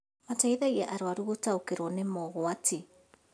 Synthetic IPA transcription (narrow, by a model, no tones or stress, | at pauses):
mataiðajaʔaɾoaɾuotaokeɾonemoːɣoati